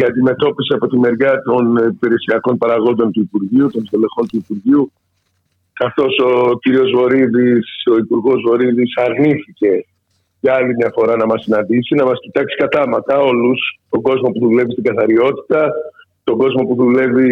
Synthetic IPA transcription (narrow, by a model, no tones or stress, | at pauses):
iɐnd̪ime̞t̪o̞pisiɐpo̞t̪ime̞ɾʝɐt̪o̞npeɾe̞siɐko̞npɐɾɐɣo̞nd̪o̞nt̪uipuɾʝiut̪o̞nst̪ole̞xo̞nt̪uipuɾʝiu | kɐθo̞so̞ciɾio̞zvo̞ɾiðiso̞ipuɾɣo̞zvo̞ɾiðisɐɾniθice̞ | ʝɐɐlimɲɐfo̞ɾɐnɐmɐsinɐnd̪isinɐmɐscit̪ɐksi̥kɐt̪ɐmɐt̪ɐo̞lust̪o̞ɡo̞zmo̞puðule̞vist̪iŋɡɐθɐɾio̞t̪i̥t̪ɐ | t̪o̞ɡo̞zmo̞puðule̞vi